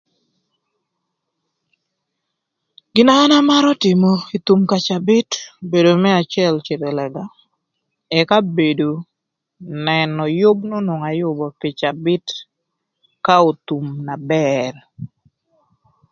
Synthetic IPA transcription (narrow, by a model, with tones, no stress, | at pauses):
ɡ̥ɪ˨naː˦na˦ma˦ɾɔ˦tɪ˨mo˨i˨t̪u˨mka˨t͡ʃa˨bɪ˦tbe˨do˨mɛ˦a˨t͡ʃɪɛ˦lt͡ʃe˨te˨lɛ˨ɡa˨ | ɛ˨ka˦be˨do˨ | nɛ˨nɔ˨jʊ˦bno˦nʊ˨ŋa˨jʊ˦bɔ˨pɪ˨t͡ʃa˨bɪ˦t | ka˦o˨t̪u˨mna˨bɛr